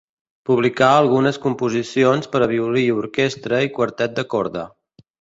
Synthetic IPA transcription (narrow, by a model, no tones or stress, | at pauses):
puβlikaəlˠɣunəskumpuzisionspəɾəβ̞iuliuɾkest̪ɾəikwəɾt̪ɛt̪̚d̪əkɔɾðə̰